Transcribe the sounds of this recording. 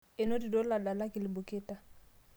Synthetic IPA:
ɪ˨no˦di˨do˦la˨da˨la˦kɪ˨lɪ˨bʊ˨kɪ˦ta˨

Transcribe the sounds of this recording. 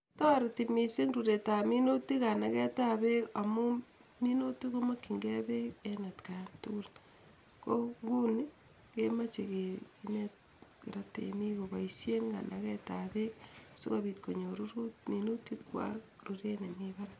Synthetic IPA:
ta˦ɾtimi˨si˦ŋɾu˨ɾeta˨mi˦no˦ti˦ka˨na˨ɣɛ˦ta˦βe˦a˨mu˦ | mi˦no˦ti˦ɣo˦ma˦ki˨ŋɡe˦βeena˨tkantu˦l | ko˦ŋɡu˦ni | ke˦mat͡ʃe˨keinet | ke˨ɾatḛmi˦ɣoβa˨isje˦ŋɡa̰˨nʔaɣɛ˦ta˨βe˦asu˦ɣaβitko˨ɲo˨ɾu˦ɾu˦t̚minu˦ti˦kwa̰˦ | ɾuɾe˦ne˨miβa˦ɾa

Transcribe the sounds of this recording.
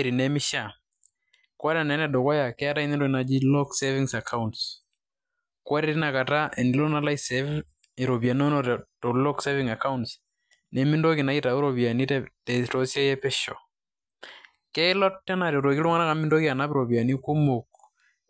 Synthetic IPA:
ɾi˨nɛ˦mɪ˦ʃa˨ | ka˦ɾɛ˨nɛ˨˦nɛ˦do˨kɔ˦ja˨kɛ˦a˦ɾa˦i˦nɛ˦ndo˦ki˨na˨d͡ʒi˦lɔ˦ksevɪŋsa˨kʰa˦unts | kwa˦ɾɛ˦ɾi˦na˨ka˨ta˦ʔɛ˨ni˨lɔ˦na˦la˦isɛv | i˨ɾo˨bja˨no˦nɔ˨to˨lɔ˦kse˦vɪ˦ŋa˨ka˦uns | nɛ˨mɪ˦ndo˦ki˨na˨i˦ta˨u˦ɾo˨βi˨a˨ni˦tɛ˦tɛ˨to˨˦sjɛ˦jɛ˦pe˦ʃɔ̰˨ | kɛ˦ɪ˦lɔ˦tːɛ˦na˨ɾe˨ɾo˨ki˦lu˦ŋa˦na˦ka˨mɪ˦ndo˦ki˦a˨na˦pɪ˦ɾo˨bja˨ni˦ku˦mo˨k̚

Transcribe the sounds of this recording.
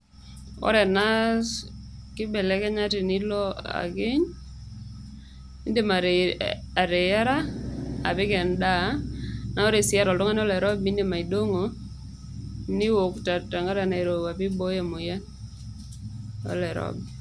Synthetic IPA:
ɔ̰˦ɾɛ˨na˦s | kɪ˦bɛ˨lɛ˦kɛ˦ɲa˦tɪ˨ni˦lɔ˦a̰˨ɡɪ˦ɲ | i˦nde˦ma˨ | a˨ɾe˨ja˦ɾa˦a̰˨pɪ˦kɛ˨nda˦na˨ɔ˦ɾɛ˨sɪ˦a˦ɾɔ˨ltɔ˦ŋa˦n˦ɔ˦lɛ˨ɾɔ˦bi˦nde˨ma˨i˨do˦ŋo˨ | ni˦wo˨kta˨ta˨ŋa˦ɾa˨na˨i˨ɾo˨a˨pɪ˦bo˦ja˦mʊ˨jɛ˦ | ɔ̰˦lɛ˨ɾɔ̰˦b

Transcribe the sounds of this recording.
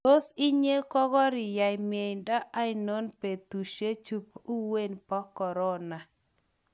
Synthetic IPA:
to˦si˦ɲe˦kɔ˦ɡɔ˦ɾɪ˨ja˨jmje˨jnda˦a˦ɪno˦npe˨t̪u˨ʃe˦t͡ʃu˦pu˦we˦npa˦kɔ˨ɾɔ˦na˨

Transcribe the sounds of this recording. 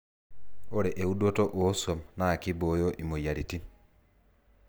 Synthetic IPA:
o˦ɾe˨ʔe˨u˦do˦tɔ˦ʔo˨˦sɔ˨naː˦˨ki˦bo˨˦jɔ˦ʔi˨mo˨ja˨ɾi˨ti˦

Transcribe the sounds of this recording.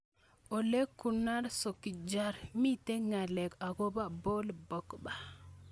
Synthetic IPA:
ʔo˨le˦kːunaɾsokːid͡ʒaɾmi˦te˦ŋale˨ka˨ɡo˦ba˦bo˦lbɔkba˨

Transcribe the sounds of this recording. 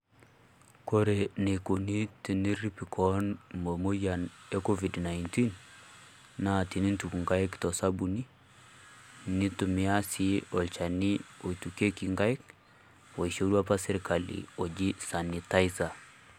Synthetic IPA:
ko˦ɾe˨ne˨ko˨ni˦ti˨ni˦ɾi˦pi˨kʰɔnmo˨mo˦jane˦ko˦vi˨dna˨jnti˦n | na˨ti˨ni˦ntu˨kŋɡa˦jktɔ˨sa˦bu˨ni˦ | ni˦tu˨mi˦a˦siɔ˨lt͡ʃa˨ni˦o˨tu˨ke˦ki˨ŋɡa˦jk | wo˨i˨ʃo˦ɾwa˦pa˦sɛ˦ɾka˨lḭ˨o˨d͡ʒi˦sa˨ni˨ta˦jsa˨

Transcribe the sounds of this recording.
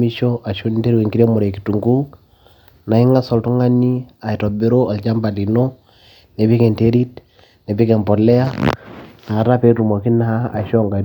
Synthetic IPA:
i˦ʃɔʔa˨ʃo˦nde˦ɾi˦we˨ŋɡi˦ɾe˦mu˨ɾe˨ki˨tu˨ŋɡu˦ | na˨i˦ŋa˦sɔ˨ltu˦ŋa˦ni˦a˨i˨tɔ˨be˦ɾo˦a˨lt͡ʃa˦mba˨li˨no˦ | ne˨pi˦kɛ˨nte˦ɾi˦t | ne˨pi˦kɛ˨mpɔ˨lɛ˦a˦na˨ɾa˦pe˦tu˨mo˨ki˦naː˦˨ʃɔ˦ŋɡa˨

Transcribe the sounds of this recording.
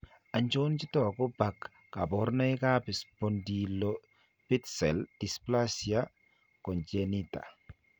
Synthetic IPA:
a˨ɲt͡ʃo˦nt͡ʃi˦tɔ˦˨kɔ˦ba˨kː | a˨bɔ˨˦ɾnɔ˦jka˦pi˨spɔ˨ndi˨lɔ | pi˦tsɛ˨ld̥i˨spla˦si˨a˦ | kɔ˨nd͡ʒɛ˨ni˦ta̰˨

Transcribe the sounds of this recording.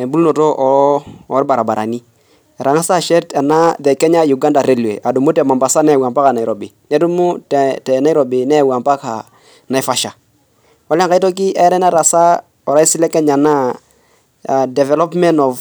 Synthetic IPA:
ɛ˨bu˦lnɔ˨tɔ˦ʔɔː˨ɾba˨ɾa˨ba˨ɾa̰˨ni˦˨ | ɾʔa˨ŋa˦sa˦ʃɛ˦ta˨na˦ðɛ˨kɛ˦ɲa˦ju˨ɡa˦nda˨ɾe˦lḛ˨ʔa˨du˨mu˦tɛ˨ma˨mba˨sa˦nɛ˦˨wa˨mpa˦ka˨na˨i˨ɾɔ˨bɪ˨nɛ˦du˦mu˦ttɛ˨na˦i˦ɾɔ˨bɪ˨nɛ˦˨wa˨mpa˦ka̰˨ | na˨jfa˦ʃa˨ | ɔ˦la˦ŋka˦i˦tɔ˦k̬i˦ʔa˦ɾɛ˦na˦ɾa˨sa˦ | ɔ˨ɾa˦si˦lɛ˦kɛ˦ɲa˨na˦˨ | dɛ˨vɛ˨lɔ˦pmɛ˦nɔ˨v

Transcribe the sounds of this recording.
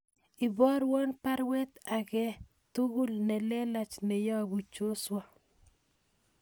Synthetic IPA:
ɪ˨bɔ˦ɾwo˦npa˦ɾwe˦t̪aɣɛ˦ | t̪u˦ɣu˦lnɛ˨lɛ˦la˨t͡ʃnɛ˨jɔ˦˨bu˨t͡ʃo˦swa˦

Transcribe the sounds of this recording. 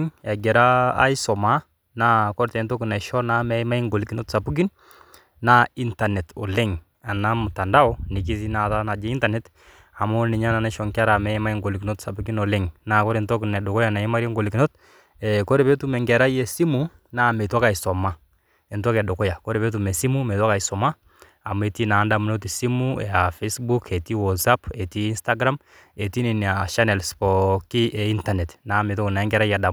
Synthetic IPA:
ŋa˨ɡɛ˨ɾa˦a̰˦i˦sɔ˨ma˦ | na˦kɔ˦ɾtɛ˨ntɔ˦ki˨na˨ʃɔ˦na˦mɛ˦ma˦i˦ŋɡo˨li˨ki˨no˦tsa˨pu˦k̬i˦n | na˦i˦nta˨nɛ˨tɔ̰˨lɛ˦ŋ | a˨na˦mu˨ta˨nda˦ɔ˦ni˨k̬i˦s̬i˦na˨ta˦na˨d͡ʒɛ˦i˦nta˨nɛ˦t | a˨mɔ˦ni˨ɲa˦na˨na˦ʃɔ˨ŋka˦ɾa˨mɛ˦ma˦i˦ŋɡo˨liki˨no˦tsa˨pu˨˦ki˦nɔ˨lɛ˦ŋna˨kɔ˦ɾɛ˨ntɔ˦knɛ˨dʊ˨kɔ˦ja˨na˨i˦ma˦ɾɛ˦ŋɡo˨li˨ki˨no˦t̚ | ɛko˦ɾɛ˨be˦tu˦mɛ˨ŋɡɛ˨ɾa˦jɛ˨si˦mu˨ | na˦˨me˨tɔ˦ka˨i˨sɔ˨ma˦ | ɛ˨ntɔ˦kɛ˨do˨kɔ˦ja˨ko˦ɾɛ˨be˦t̬u˨mɛ˨si˦mu˦me˨tɔ˦ka˨isɔ˨ma˦ | a˨me˨ti˦na˨˦nda˨mu˨no˦ti˨si˦muɛ˨afe˦sbu˦kʰɛ˨ti˦wɔ˨sa˦pɛ˨tiː˦nsta˦ɡɾa˦m | e˨ti˦ni˨n˨a˨ʃa˦nɛ˨lspɔki˦ʔɛ˨i˦ntanɛ˨tna˨me˨t̬ɔ˦ki˨na˨ɛ˦ŋɡɛ˨ɾa˦ja˨da˨

